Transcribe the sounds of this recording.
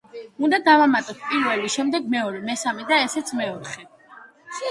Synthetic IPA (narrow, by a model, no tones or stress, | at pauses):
und̪ad̪avamat̪ʼɔt̪ʰpʼiɾvɛliʃɛmd̪ɛɡ̚mɛɔɾɛmɛsamɛd̪aɛsɛt̪sʰmɛɔɾχɛ